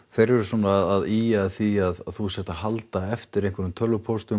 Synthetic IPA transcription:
θejɾvɛɾʏsɔːnaðaðiaθiaðθusjɛht̪ahalt̪aɛft̪ɪɾejŋkvɛɾʏmt̪ʰœlːʏpʰost̪ʏ

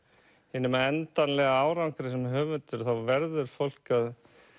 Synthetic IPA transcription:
hɪnːɪmaɛnt̪anlɛɣaaːwɾawŋkɾɪsɛmɦʏːvʏnt̪ʏɾ̥θawvɛɾðʏɾ̥fowl̥kað

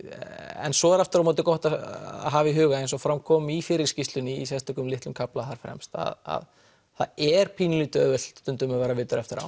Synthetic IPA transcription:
ɛ̰nsɔɛɾaft̪ʏɾamɔːt̪̬ɪkɔht̪aa̰ɦaːviɦʏːɣaejns̬ɔfɾamkʰɔːmifɪɾɪɾ̥scist̪lʏnisjɛst̪ɛkʏmlɪht̪ʏmkʰaplaθaɾ̥fɾɛ̰mst̪a̰ða̰ð | θaɛɾ̥pʰiːnʏlit̪œːvʏl̥t̪ʏnt̪ʏmavɛːɾavɪːt̪ʏɾɛft̪ɪɾa̰w

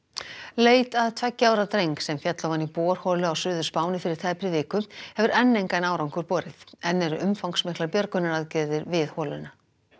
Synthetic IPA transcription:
leːjt̪aðt̪ʰvɛcːaːwɾat̪ɾejŋksɛmfjat̪lavanːipɔːɾ̥hɔlʏawsʏːðʏ̥spaːwnɪfɪɾɪɾ̥t̪ʰaːjpɾɪvɪːkʏhɛvʏɾɛnːejŋkajnaːwɾawŋkʏɾ̥pɔːɾɪθɛnːɛɾʏʔʏmfawŋksmɪhklaɾpjœɾkʏnːaɾaðcɪðɪɾvɪðhɔːlʏnːa

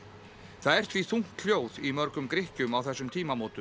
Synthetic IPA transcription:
θaðɛr̥t̪ʰviθuŋ̥t̪l̥joːwðimœɾkʏmkɾɪhcʏmawθɛsːʏmt̪ʰiːmamoːt̪ʏm

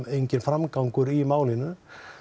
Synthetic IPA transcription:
ejɲcɪnfɾamkaŋkʏɾimaːwlinʏ

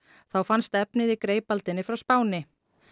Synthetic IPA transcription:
θawfanst̪ɛpnɪðikɾeːjpalt̪ɪnːɪfɾawspaːwnɪ

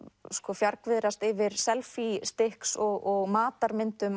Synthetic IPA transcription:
skɔfjaɾkvɪðɾast̪ɪvɪɾ̥sɛlfist̪ɪhksɔɣɔɣmaːt̪aɾmɪnt̪ʏm

